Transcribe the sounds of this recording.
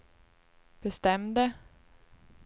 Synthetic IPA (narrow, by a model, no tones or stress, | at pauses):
b̥ɛst̪ɛmd̪ə